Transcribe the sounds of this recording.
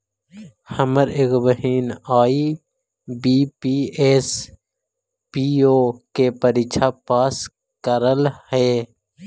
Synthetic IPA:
hɐməɾɪkbəɦiːnaːi | biːpiːes | piːoːkeːpəɾit͡ʃʰapaːs | kəɾəlhɛː

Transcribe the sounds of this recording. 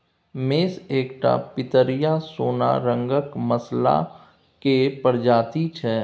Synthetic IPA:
meːseːkʈa̰pɪt̪əɾijasoːna̰ɾə̃ŋɡəkməsla̰ | kepəɾd͡ʒaːt̪it͡ʃʰɛː

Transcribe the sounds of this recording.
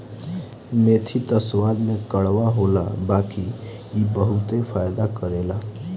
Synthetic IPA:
met̪ʰit̪əswad̪mekəɽʋaɦola̰bakiː | bəɦut̪epʰajd̪akəɾela

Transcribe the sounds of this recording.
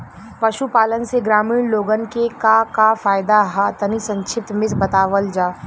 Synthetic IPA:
pɐʃupaːlənseɡɾaːmiːɽ̃loːɡənkekakafaːjd̪aɦat̪ɐnisɐ̃ɲt͡ʃʰɪp̚t̪mɪsbɐt̪aːʋəld͡ʒaː

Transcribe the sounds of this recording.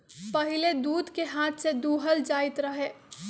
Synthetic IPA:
pɐɦɪled̪uːd̪keɦaːt̪ʰsed̪uːɦəld͡ʒaːɪt̪ɾɐɦeː

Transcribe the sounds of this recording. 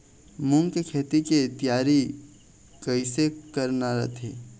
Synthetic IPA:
mʊ̃ŋkekʰeːt̪ikit̪jaːɾi | kəisekəɾnaɾɐ̰t̪ʰḛː

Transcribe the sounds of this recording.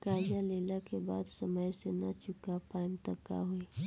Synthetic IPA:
kaːjaleːlakeba̰ːd̪səməjsenɐt͡ʃʊkapaːɪmt̪ɐkːa̰ɦui

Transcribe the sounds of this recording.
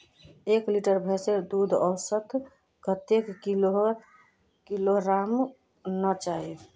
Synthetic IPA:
ekliʈəɾbʱesed̪ud̪ʱɔʊsət̪ | ɡət̪ekilo | kiloɾam | nət͡ʃai

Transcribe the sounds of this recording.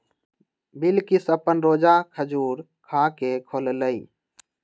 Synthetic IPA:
bilkisəpənɾoːd͡ʒakʰəd͡ʒuːɾ | kʰakekʰolləi

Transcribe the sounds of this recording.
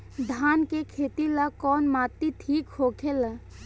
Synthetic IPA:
d̪ʱaːnkekʰeːt̪ilakɔːnmaːt̪iʈ̪ʰiːkhoːkʰela

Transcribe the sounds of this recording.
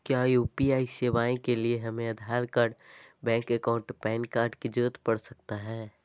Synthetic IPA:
kjajuːpiaːiseːʋaːẽkelieɦɐmẽɐd̪ʱaːɾkəɾbɛ̃ːŋkəkãːʊ̃ɳʈpɛ̃ːnkaːɾɖkid͡ʒoːt̪pɐɽsɐk̚t̪aɦɛː

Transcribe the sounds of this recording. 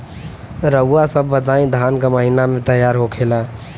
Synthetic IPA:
ɾəasəbːəd̪aĩd̪ʱankaməɦinamẽt̪əjːaɾɦokʰela

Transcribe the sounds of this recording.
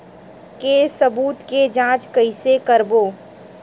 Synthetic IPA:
kesɐbuːt̪ked͡ʒãːt͡ʃkɐɪsekəɾboː

